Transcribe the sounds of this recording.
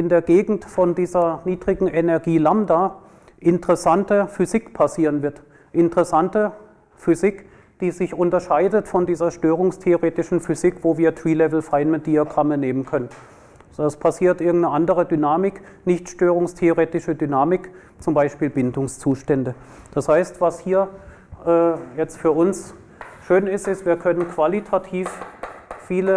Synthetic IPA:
ʔɪndeːɐɡeːɡŋ̩tfɔndiːzɐniːdʁɪɡŋ̩ʔɛnɛɐɡiːlamdaː | ʔɪntəʁ̥ɛsantəfyzɪkpʰasiːʁənvɪɐt | ʔɪntəʁɛsantə | fyzɪk | d̥iːzɪçʔʊntɐʃaɪdətfɔndiːzɐʃtøːʁ̞ʊŋstʰeoʁeːtɪʃn̩fyzɪkv̥oːviːɐtv̥iːlɛvl̩faɪnməd̥iaɡʁaməneːmənkʰœnən | zɛspʰasiːɐtʔɪɐɡŋ̩tnəʔandəʁədynaːmɪk | nɪçtʃtøːʁ̞ʊŋstʰeoʁeːtɪʃədynaːmɪk | t͡sʊmbaɪʃpiːlbɪndʊŋst͡suːʃtɛndə | d̥ashaɪstv̥ashiːɐ | ʔɛːjɛt͡stfyːɐʔʊns | ʃøːnɪstɪstv̥iːɐkʰœnənkv̥alitʰatʰiːffiːlə

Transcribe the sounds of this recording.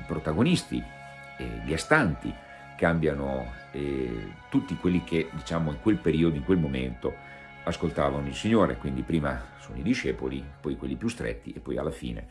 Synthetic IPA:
ipɾot̪aɡonist̪ḭ | ḛʎiast̪ant̪ḭ | kambjano | ɛt̪ut̪ːikwelːik̟ʰed̪it͡ʃamoiŋkwelpeɾiːod̪oiŋkwelmomḛnt̪o | askolt̪aːvanoilsiɲːoːɾḛkwind̪ipɾiːmasoːno̰id̪iʃɛːpolipɔjkwelːipjust̪ɾḛt̪ːiepːɔja̰lːafḭːnḛ

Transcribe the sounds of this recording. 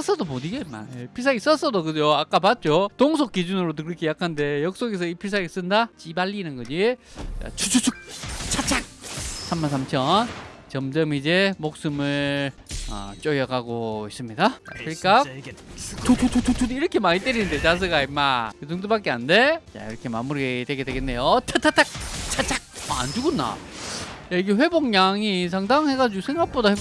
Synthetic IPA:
ʌs͈ʰʌdomoniɡeima̰epʰis̬ʰaɡis͈ʌs͈ʌdokɯd͡ʑoak͈apat̚t͡ɕ͈otoŋsʰok͈̚ːid͡ʑunɯɾodokɯɾʌkʰe̞jakʰande̞jʌk̚s͈oɡes̬ʰʌipʰis̬ʰaɡis͈ɯndat͡ɕibaʎːinɯnɡʌd͡ʑija̰t͡ɕʰut͡ɕʰut͡ɕʰuk̚t͡ɕʰat͡ɕʰaŋsʰamːansʰamt͡ɕʰʌnt͡ɕʌmd͡ʑʌmid͡ʑe̞mok̚s͈ɯmɯɭ | ʌ̰t͡ɕ͈ojʌɡaɡois͈ɯmɲidaa̰pʰɯik͈a | tʰutʰutʰuutʰudiɾʌkʰe̞maɲit͈eɾinɯnde̞t͡ɕas̬ʰɯɡaimakɯdoŋdobak͈eannde̞ja̰iɾʌkʰe̞mamuɾiɡedwe̞ɡe̞dwe̞ɡenːe̞jotʰatʰatʰak̚t͡ɕʰat͡ɕʰak̚aa̰nd͡ʑuɡonːa̰ | jaiɡeɸwe̞boŋɲaŋis̬ʰaŋdaŋhe̞ɡad͡ʑuɡosʰe̞ŋɡak̚p͈odahe

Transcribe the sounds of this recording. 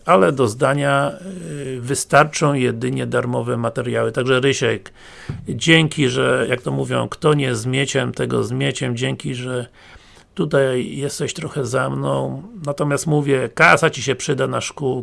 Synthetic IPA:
alɛd̪ɔzd̪aɲa | vɘst̪aɾt͡ʂɔ̃w̃jɛd̪ɘɲɛd̪aɾmɔvɛmat̪ɛɾjawɘt̪aɡʐɛɾɘɕɛk | d͡ʑɛŋkʲiʐɛjakt̪ɔmuvʲjɔ̃w̃kt̪ɔɲɛzmʲjet͡ɕɛmt̪ɛɡɔ̰zmʲjet͡ɕɛmd͡ʑɛŋkʲiʐɛ | t̪ut̪ajːɛst̪ɛɕt̪ɾɔxɛzɛmnɔ̃w̃nat̪ɔmʲjast̪muvʲjɛkasat͡ɕiɕɛpʂɘd̪anaʂku

